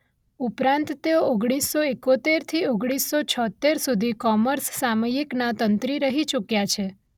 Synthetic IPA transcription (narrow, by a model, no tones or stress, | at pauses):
upɾãnt̪ːeooɡɽisːoekot̪eɾt̪ʰioɡɽ̃isːot͡ʃʰɔt̪ːeɾsud̪ʱikɔməɾsːaməjiknat̪ənt̪ɾiɾəɦit͡ʃukjat͡ʃʰe